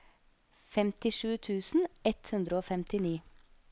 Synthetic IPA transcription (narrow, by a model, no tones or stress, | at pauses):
fɛmt̪ɪʂʉːt̪ʰʉːsn̩ɛt̪hʉnd̪ɾəoːfɛmt̪ʰɪniː